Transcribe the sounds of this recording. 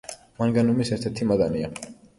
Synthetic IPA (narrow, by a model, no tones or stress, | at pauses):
manɡanumisɛɾt̪ʰɛɾt̪ʰimad̪ania